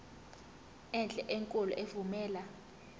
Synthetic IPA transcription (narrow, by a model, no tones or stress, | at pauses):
ɛnd͡ɮʼɛʔeŋkʼɔlɔ̰ʔevumɛːla